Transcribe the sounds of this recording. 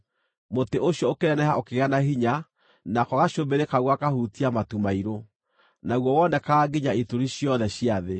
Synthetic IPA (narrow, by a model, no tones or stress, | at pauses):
moteoɕjɔokeɾɛnɛɦaokeɣanaɦiɲa | nakɔɣaɕombeɾekaɣwakahutiamatumaiɾo | naɣwɔwɔnɛkaːɡiɲaitoɾiɕjɔðɛɕiaðe